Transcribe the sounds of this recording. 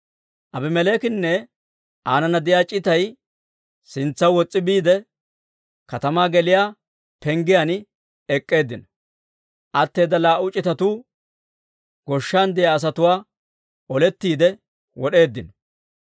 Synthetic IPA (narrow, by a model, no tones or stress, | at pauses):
ʔɐbɪmɛleːkɪnːɛ | ʔaːnɐnɐd̪ɪjaːt͡ʃʼɪt̪ɐj | sɪnt͡sːɐwwɔt͡sʼːɪbiːd̪ɛ | kɐt̪ɐmaːɡɛlɪjaː | pɛŋɡɪjan | ɛkʼːe̞ːd̪ːɪnɐ | ʔɐt̪ːe̞ːd̪ɐlaːʊt͡ʃʼːɪt̪ɐt̪uː | ɡ̥ɔʃːaːnd̪ɪjaːs̬ɐt̪ʊwaː | ɔlɛt̪ːiːd̪ɛ | wɔɗe̞ːd̪ːɪnɔ